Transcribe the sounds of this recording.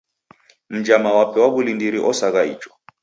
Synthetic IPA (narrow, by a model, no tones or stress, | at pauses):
m̩d͡ʒamawapʰʼɛwaβulindiɾiʔɔsakʼaḭːt͡ʃʼɔ̥